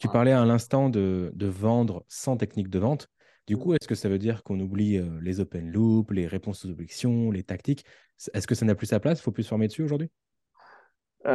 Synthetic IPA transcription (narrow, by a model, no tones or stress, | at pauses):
t̪ypaʁlɛalɛ̃st̪ɑ̃d̪əd̪əvɑ̃d̪ʁəsɑ̃t̪ɛknik̚d̪əvɑ̃t̪ | d̪ykuɛskəsavød̪iʁkɔ̃nubliølezopɛnlupleʁepɔ̃sozɔbʒɛksjɔ̃let̪akt̪ik | sɛskəsanaplysaplasi̥foplysəfɔʁmed̪əsyoʒuʁd̪ɥi